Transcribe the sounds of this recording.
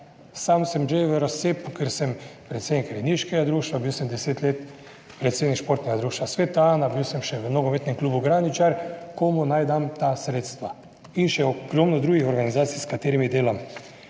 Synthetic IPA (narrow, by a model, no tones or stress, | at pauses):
samsɛmʒeʋəɾaseːpukəɾsɛmpɾet̪seːd̪nikɾɛd̪niʃkɛɡad̪ɾuːʃt̪ʋabiwsɛmd̪ɛseːt̪leːt̪ | pɾet̪seːd̪nikʃpoɾt̪nɛɡad̪ɾuːʃt̪ʋasʋet̪aaːnabiwsɛmʃɛʋəmnoɡomet̪nɛmkluːbuɡɾaːnit͡ʃaɾkomunajd̪amt̪asɾeːt̪st̪ʋa | inʃɛoɡ̥ɾomnɔd̪ɾuːɡixɔɾɡanizaːt̪sijskat̪eːɾimid̪eːlam